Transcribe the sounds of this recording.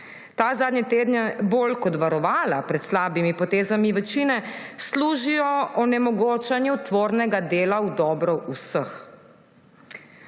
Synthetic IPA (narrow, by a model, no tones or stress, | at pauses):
t̪aːzaːd̪njɛt̪eːd̪nɛboːlkɔt̪ʋaɾɔʋaːlapɾɛt̪slaːbimipɔt̪eːzamiʋɛt͡ʃiːnɛsluːʒijɔɔnɛmɔɡoːt͡ʃanjut̪ʋoːɾnɛɡad̪eːlawd̪ɔːbɾɔʔusəx